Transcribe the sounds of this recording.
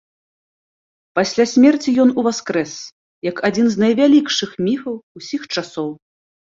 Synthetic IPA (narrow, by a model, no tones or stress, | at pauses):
pasʲlʲasʲmʲɛrt͡sʲijɔnuvaskɾɛs | jɐkʰad͡zʲinznɐjvʲalʲikʂɨxmʲifɐwusʲixt͡ʂasɔw